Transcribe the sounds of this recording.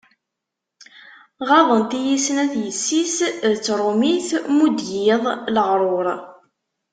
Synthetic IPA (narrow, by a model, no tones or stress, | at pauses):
ʁɑðˤənt̪ijisnæθjəsːisðət͡sːɾˤomiθmud̪jɪðˤləʁɾˤoɾˤ